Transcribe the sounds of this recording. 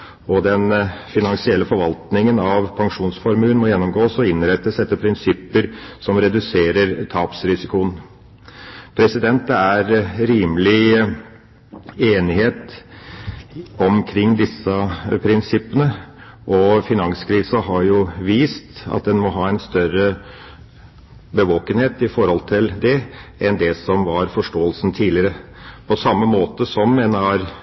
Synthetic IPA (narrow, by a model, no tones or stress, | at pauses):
ɔd̪ɛnfɪnɑŋsɪɛlːəfɔɾʋɑlt̪nɪŋənɑʋpʰɑŋʂuːnsfɔɾmʉːənmɔjɛnːɔmɡoːsɔɪnɾɛt̪ːəsɛt̪ːəpʰɾɪnsɪpːəɾsɔmɾɛd̪ʉseːɾəɾt̪ʰɑːpsɾɪsɪkʊən | pʰɾɛsɪd̪ɛnt̪ːəæɾɾiːmlɪ | eːnɪheːt̪ | ɔmkʰɾɪŋːd̪ɪsəpʰɾɪnsɪpːənə | ʔɔfɪnɑŋskʰɾiːsɑɦɑɾjʊʋiːst̪ɑ̰t̪̚d̪ɛnmɔɦɑːɛɪnst̪œɾə | bəʋoːkənheːt̪ɪfɔɾhɔlt̪ʰɪld̪ɛʔɛnd̪ɛsɔmʋɑɾfɔʂʈoːəlsn̩t̪ʰiːlɪəɾə | pʰɔsɑmːəmoːt̪əsɔmɛnhɑɾ